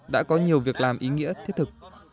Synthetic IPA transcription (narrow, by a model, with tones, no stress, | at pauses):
ɗa̰ː˧˥kɔ˨˦ɲi˨˩əwvi˨˩ək̚laː˨˩mʔi˨˦ŋḭ˧˥ət̪ʰi˦˥t̪ʰɨ˨˩k̚